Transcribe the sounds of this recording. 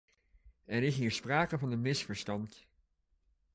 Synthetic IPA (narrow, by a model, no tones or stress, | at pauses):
ɛnɪkɦɪːɹspraːkəvɑnəmɪsfəɹstɑnt